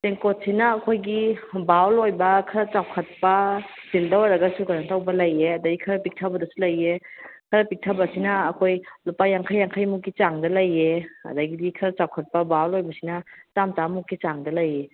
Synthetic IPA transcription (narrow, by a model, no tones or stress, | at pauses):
seŋkot̚sinɐːkʰojɡibawlojbɐkʰɐɾɐt͡ʃawkʰɐt̚pɐsildɐwaɾɐɡɐsukannɐtawbɐlɐjeɐdɐɡikʰɐɾɐpik̚tʰabɐdɐsulɐjekʰɐɾɐpik̚tʰabɐsinɐːkʰojlupajaŋkʰajːaŋkʰajmukːit͡ʃaŋdɐlɐjeɐ̰dɐɡidikʰɐɾɐt͡ʃawkʰɐt̚pɐbawlojbɐsinɐtamt͡ʃamukːit͡ʃaŋdɐlɐje